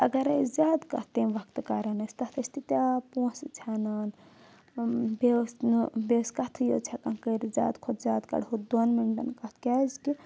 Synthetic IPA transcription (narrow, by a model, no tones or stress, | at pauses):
ɐɡɐɾɐzʲaːd̪kɐ̰t̪eʋɐkt̪ɨkaɾɐnɐst̪ɐt̪ʰɐst̪it̪apũsit͡ʃʰanan | besbeskɐt̪ʰɨjo̰t͡ʃʰakankəɾizʲa̰ːd̪kʰot̪ʰzaːd̪kɐ̰ɽɦud̪onmiɳɖɐ̰nkɐt̪ʰkʲazki